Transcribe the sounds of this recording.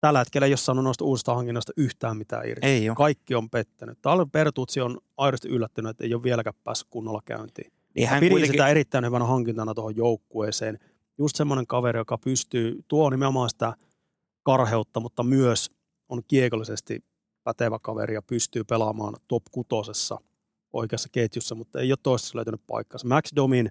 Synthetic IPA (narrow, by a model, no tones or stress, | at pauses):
t̪ælːæhet̪kelːeijossɑːnːunoist̪ɑuːsist̪ɑhɑŋkinːoist̪ɑyht̪æːmmit̪æ̰ːḭrkɑikːiompet̪ːæny̰tt̪ɑlpert̪uːt̪sionɑiɾost̪iʔylːæt̪ːynyet̪ːḛijoʋʋielækæppæ̰ːsːy̥kkunːɑlːɑkæ̰ynt̪ḭː | nḭhɑæpiisit̪æeɾit̪ːæinhyʋænæhɑŋkint̪ɑnɑt̪ohojjoukːueːseːn | just̪semːoneŋkɑʋeɾijokɑpyst̪yːt̪uonimeomɑːnsi̥t̪æ | kɑrheut̪ːɑmut̪ːɑmyøs | onkiekolːisest̪ḭ | pæt̪eʋækɑʋḛɾijɑpyst̪yːpelɑmɑ̰ːnt̪opkut̪osesːɑ̰ | ʔo̰ikeɑsːɑket̪jusːɑmut̪ːḛijot̪t̪oˑist̪esːlø̰yt̪ænyppɑ̰ikːɑnsɑmæksdomin